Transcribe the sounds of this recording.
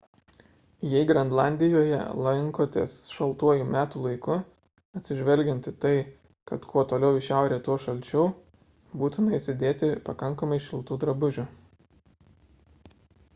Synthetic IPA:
jɛɪɡɾɐnd̪lˠɑˑnʲd̪ʲɪjoːjɛ̰lˠɐŋkoːt̪ʲḛːsʃɐlˠt̪uɔjuːmʲæːt̪uːlˠɐɪkʊ | ɐt̪ʲsʲɪʒʲʋʲɛlʲɡʲɛnt̪ɪt̪ɐɪ | kɐt̪kʰuɔt̪oːlʲɛʊɪʃʲæˑʊɾʲeːt̪uɔʃɐlʲt͡ʃʲuː | buːt̪ʊmɐɪsʲɪd̪ʲeːt̪ʲɪpɐkɐŋˑkɐmɐɪʃʲɪlˠt̪uːd̪ɾɐbʊʒʲʊ

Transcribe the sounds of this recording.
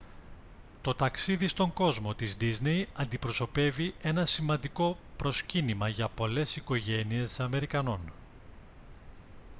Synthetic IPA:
t̪o̞t̪ɐksiðist̪o̞ŋɡo̞zmo̞t̪izd̪iznejɐnd̪ipɾo̞so̞pe̞vie̞nɐsimɐnd̪iko̞pɾo̞scinimɐʝɐpo̞le̞siko̞ʝe̞nie̞sɐme̞ɾikɐno̞n

